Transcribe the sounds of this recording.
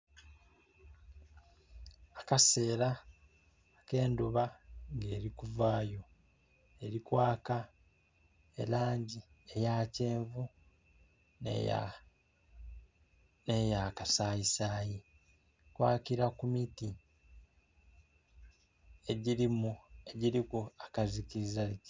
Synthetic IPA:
akase̞ːɾa | ke̞ːnduβaŋɡe̞ːɾikuvaːjo̞ | e̞ɾikwaːka | e̞̰laːɲɟi | e̞jaːce̞ːɱvu | n̰ | ne̞jakasaːisaːji | kwaːkiɾakumiti | e̞ɟiɾimueɟiɾikuakazikiɾizai

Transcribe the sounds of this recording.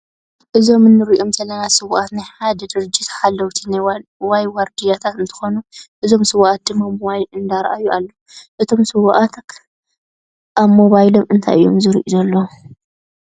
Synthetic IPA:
ʔɨzo̞mɨnːɨɾiʔomsɐlɐnasɨβuʔat̪najħad̪ɛd̪ɨɾɨd͡ʒit̪ħalːɐwt̪ʰinawajwɐɾd̪ijat̪ʰat̪ɨnt̪ʰɨ̥xonuʔɨzo̞msɨβʔat̪̚d̪ɨmamwajɨnd̪aɾʔajuʔalːo | ʔɨt̪ʰo̞msɨβʔat̪ʰk | ʔaβmo̞βajlo̞mɨnt̪ʰa̰jʔɨ̰jːomzɨɾḭʔizɐlːo

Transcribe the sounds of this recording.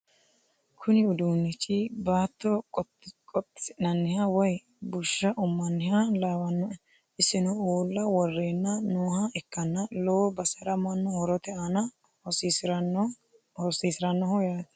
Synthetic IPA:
kʰʊnɪʊd̪uːnːɪt͡ʃːɪbaːt̪ːɔ | kʼɔt̪ːnɐnːɪhawɔj | bʊʃːɐʔʊmːɐnːɪhalaːwɐnːɔ | ɪsːɪnɔuːlːɐwɔrːeːnːɐnoːhɐɛkːɐnːɐloːbɐsɐɾɐmɐnːɔhɔɾɔt̪ɛɐnɐ | hɔsisɪɾɐnːɔ | hɔsiːsɪɾɐnːɔhɔjaːt̪

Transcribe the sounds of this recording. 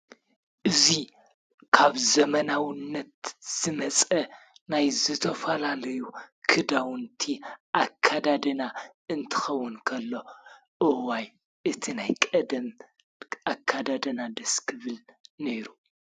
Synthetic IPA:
ʔɨzi | kʰaβzɐmɐnawɨnːɐt̪z̥ɨmɐt͡sʼɐ | najzɨt̪ʰɐfɐlalɐjukʰɨd̪awnt̪ʰiʔakʰːad̪ad̪ɐna | ɨnt̪ʰɨ̥xɐwːʊnkʰɐlːo̞ | ʔɨwaj | ʔɨt̪ʰinajkʼɐd̪ɐm | akʰːad̪ad̪ɐnad̪ɐskʰɨβɨlneɾu

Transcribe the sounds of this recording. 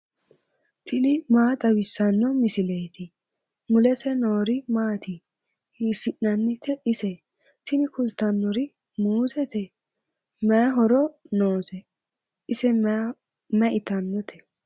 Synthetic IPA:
t̪ʰɪnɪmaːt̪ʼɐwɪsːɐnːɔmɪsɪlejt̪ɪ | mʊlɛsɛnoːɾɪmaːt̪i | hiːsɪnːɐnːɪt̪ɛʔɪsɛ | t̪ɪnɪkʊlt̪ːɐnːɔɾɪ | muːzɛt̪ɛ | mɛɦɔɾɔnoːtɛ | ʔɪsɛ | mɛʔɪt̪ɐnːɔt̪ʰɛ̥

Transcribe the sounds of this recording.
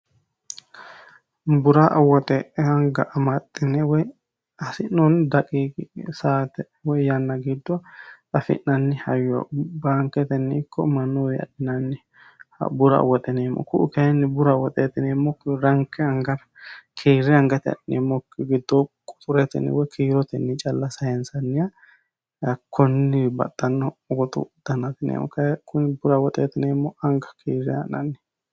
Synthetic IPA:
bʊɾaʔɐwɔt̪ʼɛʔɛhɐŋɡɐʔɐmɐt̪ʼːɪnɛwɔj | ɐsɪnːɔnd̪ɐkʼiːɡsaːt̪ɛ | wɔjjanːɐɡɪd̪ːɔ | ɐfɪ̰nːɐnːɪhɐjːɔ̰baːŋkɛt̪ɛnːɪɪkːɔmɐnːowɪɐ̰ᶑɪnanːɪ̰ | bʊɾɐ̰wɔt̪ʼɛneːmːɔ̰kʊʔʊkɐɛnːɪbʊɾɐwɔt̪ʼeːt̪ɪneːmːɔkːɾɐŋkːɛɐŋɡɐɾ | kʰiːɾːɪɐŋɡɐt̪ɪɐ̰ɗɪnemːɔkːɪɡɪd̪ːɔkʼʊ̥t̪ʼʊɾɛt̪ɛ̰nɪ̰wɔkʰiːɾɔt̪ɛnːɪt͡ʃʼɐlːɐsɐjɛnsɐnːɪja | ɐkʰːɔnːɪbɐ̰t̪ːɐnːɔːɡɔt̪ʊ̰d̪̥ɐnɐt̪ɪnḛːmːɔ̰kɐkʰʊnɪbʊɾɐwɔt̪ʼḛːt̪ɪneːmːɔʔɐŋɡɐ̥kʰiːɾɪɐ̰nɐ̰nːɪ̥

